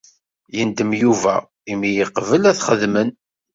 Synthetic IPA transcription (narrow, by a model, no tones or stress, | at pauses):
jənd̪əmjuvæ̰ | imːijəqvəlæθχəðmən